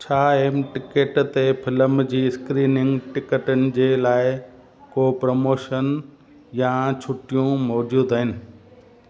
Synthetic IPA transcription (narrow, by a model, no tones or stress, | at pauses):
t͡ɕʰaːemʈɪkeːʈt̪epʰɪləmd͡ʑiːɪskɾiːnɪ̃ŋɡʈɪkəʈənɪ̆d͡ʑeːlaːɪ | kopɾomoːʃən | jãt͡ɕʰʊʈijũmɔːd͡ʑuːd̪aɦɪnɪ̆